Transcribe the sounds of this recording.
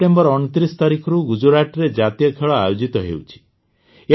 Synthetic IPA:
ʈembɔɾɔñɔt̪ɾist̪aɾikʰɔɾuɡud͡ʒuɾaʈɾed͡ʒat̪ijɔkʰeɭɔajod͡ʒit̪ɔɦḛwt͡ʃʰi̥ | e

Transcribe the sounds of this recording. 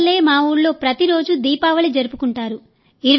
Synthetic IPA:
lːe̞ːmaːuːɽlo̞ːpɾɐt̪iɾo̞ːd͡ʒud̪iːpaːʋɐlid͡ʒɐɾupukuɳʈaːɾu | iɾu

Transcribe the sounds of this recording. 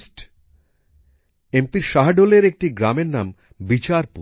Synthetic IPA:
sʈ | empiɾʃaɦaɖoleɾek̚ʈiɡɾameɾnam | bit͡ɕaɾpu

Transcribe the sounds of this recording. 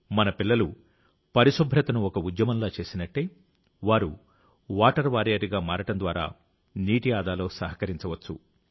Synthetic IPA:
mɐnɐpilːɐlu | pɐɾiʃobʱːɾɐt̪ɐnuɔkɐud̪jɐmɐmloːt͡ʃe̞ːsinɐʈːe̞ː | ʋaːɾu | ʋaːʈɐɾʋaːɾijaːɾiɡaːmaːɾɐʈɐnd̪ʋaːɾa̰ː | niːʈijaːd̪aːlo̞ːsɐɦɐkɐɾiɲt͡ʃɐʋɐt͡ʃːṵ

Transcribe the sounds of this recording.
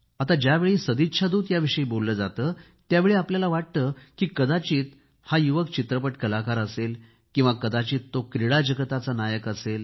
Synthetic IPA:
at̪ad͡ʑjaʋeɭiːsəd̪it̪ːɕʰad̪uːt̪jaʋiʂəiːbolːəːd͡zat̪əː | t̪jaʋeɭiapljalaʋaʈ̚t̪əːkiːkəd̪at͡ɕiːt̪ | hajuʋəkt͡ɕit̪ɾəpəʈkəlakaɾəsel | kĩw̃ʋakəd̪at͡ɕiːt̪ːokɾiɭad͡ʑəɡət̪at͡sanajəkəsel

